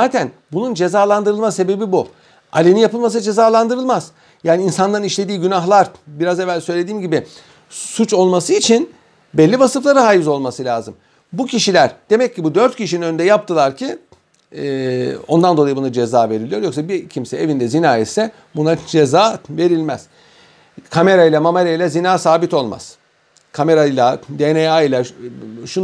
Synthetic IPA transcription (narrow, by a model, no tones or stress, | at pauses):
zaːt̪ʰænbunund͡ʒe̞zaːlˠand̪ɯɾɯlˠmase̞be̞bibu | a̰lʲininjapɯlˠmas̬d͡ʒe̞zaːlˠand̪ɯɾɯlˠmaz̥ | jaːniinsand̪aniʃlʲe̞d̪iːɟynaxlˠaɾbiɾazevːælʲsø̞jlʲed̪iːmɟibɪ | sut͡ʃo̞lˠmasɯit͡ʃʰin | bɛlʲːivasɯflˠaɾɯɦaːjɯzo̞lˠmasɯlʲaːzɯm | bucʰiʃilʲæɾd̪̥e̞mɛcːibud̪øɾt̪̚cʰiʃininø̞nynd̪ɛjap̚t̪ʰɯlˠaɾcʰi | o̞nd̪and̪olˠajɯbunad͡ʒezaːve̞ɾilʲijo̞ɾjo̞ksabicʰimsɛevind̪ɛzinaːisɛ | bunad͡ʒe̞zaːve̞ɾilʲmɛz̥ | kʰame̞ɾailʲˠamamaɾʲailʲɛzinaːsaːbit̪o̞lˠma̰z̥ | kʰame̞ɾalˠad̪eneailʲˠaʃu